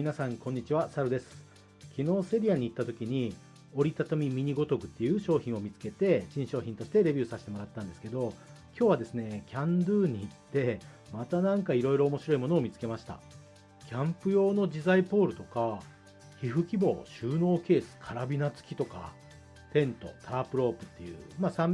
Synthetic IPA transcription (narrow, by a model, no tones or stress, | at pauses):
mʲinasãŋkõ̞ɲ̟ːit͡ɕiβ̞asaɾɯ̟d̪e̞sɨ̥ | kʲino̞ːse̞ɾʲiaɲ̟iːt̪ːat̪o̞kʲiɲ̟i | o̞ɾʲit̪at̪omʲimʲiɲ̟iɡo̞t̪o̞kɯ̟t̪ːe̞jɯ̟ːɕo̞ːçĩɰ̃o̞mʲit͡sɨ̥ke̞t̪e̞ɕĩɰ̃ɕo̞ːçʲĩnt̪o̞ɕi̥t̪e̞ɾe̞bʲɨːsaɕi̥t̪e̞mo̞ɾat̪ːãnd̪e̞sɨ̥ke̞d̪o̞ | kʲo̞ːβad̪e̞sɨne̞kʲãnd̪ɯːɲ̟iːt̪ːe̞ | mat̪anãŋkaiɾo̞iɾo̞ːmo̞ɕiɾo̞imo̞no̞ːmʲit͡sɨ̥ke̞maɕi̥t̪a̰ | kʲãmpɯ̟jo̞ːno̞d͡ʑizaipo̞ːɾɯ̟t̪o̞ka | çiɸɯ̟kʲibo̞̰ːɕɨːno̞ːke̞ːsɨ̥kʰaɾabʲinat͡sɨ̥kʲi̥t̪o̞ka̰ | t̪ẽ̞nt̪o̞̰t̪ʰaapɯ̟ɾo̞ːpɯ̟̥t̪ːe̞jɯ̟̰ːmasãm